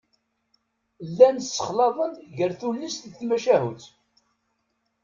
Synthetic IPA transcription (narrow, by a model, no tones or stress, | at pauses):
lːænsːə̥χlɑðˤənʝəɾθulːist̪ðθmæʃæhut͡s